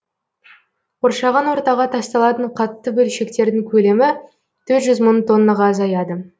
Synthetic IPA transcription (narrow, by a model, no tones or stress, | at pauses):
qʰoɾʃɑʁɑnwo̞ɾt̪ɑʁɑt̪ʰɑst̪ɑlˠɑt̪əɴqʰɑt̪ːəbɵlʃe̞k̚t̪e̞ɾd̪ɪŋkʲʰɵle̞mɪ | t̪ʰɵɾt̪ʒʏzmənt̪ʰo̞nːɑʁɑːzɑjɑd̪ə